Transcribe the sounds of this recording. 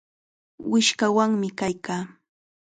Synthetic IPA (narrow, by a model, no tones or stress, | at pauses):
wɪʃkawaŋmɪkajkaː